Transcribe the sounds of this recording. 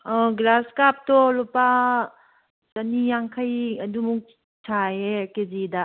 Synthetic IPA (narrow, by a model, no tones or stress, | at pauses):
ɔɡlaskap̚tɔlupa | sɐnijaŋkʰajɐdumuk̚ | t͡ʃʰaekezida